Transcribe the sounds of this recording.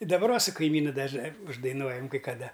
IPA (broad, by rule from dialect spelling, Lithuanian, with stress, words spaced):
ɪ dɐˈbɐr ˈʋɐ sʊ kɐɪˈmʲiːnʊ dɐʒˈnɐɪ ʊʒdɐɪˈnuɔjɛm kɐɪ kɐˈdɐ